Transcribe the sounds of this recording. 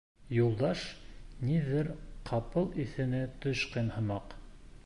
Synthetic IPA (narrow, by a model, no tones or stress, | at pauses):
julˠd̪ɑʃniðɘɾqʰɑpɤlˠiθɘ̆nɘt̪ɵʃqɤnhɤ̆mɑq